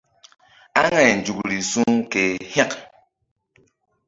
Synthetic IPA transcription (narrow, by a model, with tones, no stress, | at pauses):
a˦ŋa˨n˨d͡ʒu˨kɾi˨su˦ŋke˨ha˦˨k